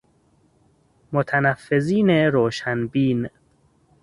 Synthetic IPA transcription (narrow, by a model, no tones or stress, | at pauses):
mot̪ʰænæfːeziːneɾoːʃænbiːn